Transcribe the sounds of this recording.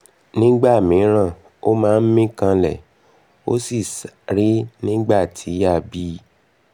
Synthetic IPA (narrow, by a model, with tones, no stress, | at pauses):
nĩ˦ɡ͡ba˦˨mĩ˨˦ɾ̃ã˦˨ | o˦mãː˦˧n̩˦mĩ˦kã˧lɛ̰˦˨ | o̰˦si˦˨sɾi˦nĩ˦ɡ͡ba˦˨tʰi˨˦a˦˨bi˦